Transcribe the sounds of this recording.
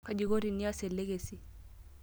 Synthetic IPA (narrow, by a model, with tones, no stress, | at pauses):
ka˨d͡ʒi˨ɣo˦ɾi˨ni˦a˦sɛ˨lɛ˦ɣe˨si˦